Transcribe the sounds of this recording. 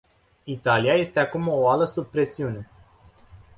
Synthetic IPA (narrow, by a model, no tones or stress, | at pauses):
it̪aliaje̞st̪e̞akumo̞aləsub̚pɾe̞siune̞